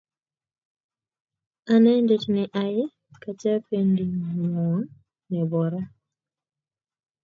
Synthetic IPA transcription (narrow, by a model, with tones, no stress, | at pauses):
a˨nɛ˦nde˦t͡ʃnɪ˨ʔa˦ɪ˦ | ka˨t͡ʃɛ˦pe˦ndi˨ŋ˨ŋɔ˨ŋ | nɛ˨bɔ˨ɾa˦